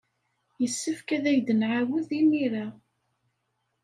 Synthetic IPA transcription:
jəsːəfkæðæjd̪ənʕawəðimiɾa

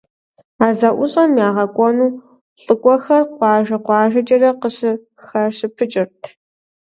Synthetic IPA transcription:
aːzɐʔʷʊɕʼɐnmjaːʁɐkʷʼɔnuː | ɬʼɨkʷʼɔxɐrqʷɑːʒɐqʷɑːʒɐt͡ʃʼɐrɐqəɕɪ | xɐɕɪpʰɨt͡ʃʼɪrtʰ

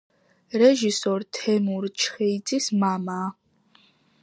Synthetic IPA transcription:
ɾɛʒisɔɾt̪ʰɛmuɾt͡ʃʰχɛid̪zʼismamaː

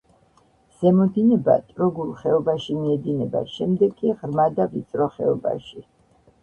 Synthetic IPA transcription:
z̥ɛmɔd̪inɛba̰t̪ʼɾɔɡulˠχɛɔbaʃimiɛd̪inɛba̰ʃɛmd̪ɛɡʼiʁɾmad̪avit̪sʼɾɔχɛ̰ɔba̰ʃi

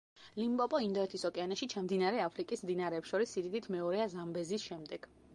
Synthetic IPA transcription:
limbʼɔpʼɔind̪ɔɛt̪ʰisɔkʼɛanaʃit͡ʃʰamd̪inaɾɛapʰɾikʼismd̪inaɾɛːpsʃɔɾisid̪id̪it̪ʰmɛɔɾɛazambɛzisʃɛmd̪ɛɡ̥

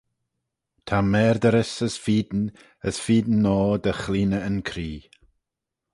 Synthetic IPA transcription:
tʰamɛːɾd̪əɾɪsəsfiːd̪n | əsfiːd̪n̩ːɔːd̪əxliːnəənkʰɾiː

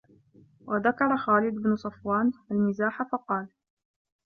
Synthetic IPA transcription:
wʔaðakɑɾˤɑxaːlɪd̪ɪbnʊsˤɑfwaːnʔalmɪzaːħafɑqɑːl

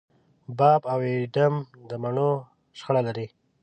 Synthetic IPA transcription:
bɑbaweɖam | d̪əmaɳo | ʃxaɽalaɾi

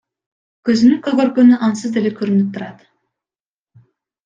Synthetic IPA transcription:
køzynyŋkɵɡøɾɡønyʔɑnsɯzd̪e̞lekʰøɾynyp̚t̪ʰuɾɑt̪

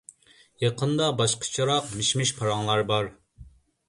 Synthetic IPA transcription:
jɑqʰənd̪ɑbɑʃqʰə̥t͡ʃʰɑɾɑqmiʃmiʃpʰɑɾɑŋlˠɑɾbɑɾ

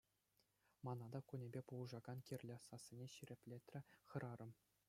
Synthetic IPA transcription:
mɑnɑd̪ɑkunʲebʲepulˠɤʐɑɡɑnkʲirʲlʲɘ̆sɑsʲːĭnʲeɕiɾʲĕpʲlʲet̪ʲrʲɘ̆χɤ̆ɾʔɑɾɤ̆m

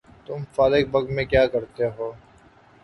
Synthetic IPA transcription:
t̪ʊmfaːɾɪk̚bɐɡmẽkjaːkɐɾt̪eɦoː

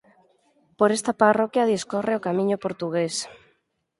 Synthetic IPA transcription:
poɾest̪aparokjɐðiskoreokamĩɲʊpoɾt̪uɣes

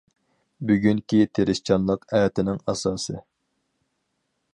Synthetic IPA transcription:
byɡʲyŋkʲit̪ʰeɾɪʃt͡ʃʰɑnlˠəqɛjɛt̪ɪnɪŋɑsɑːsɨ

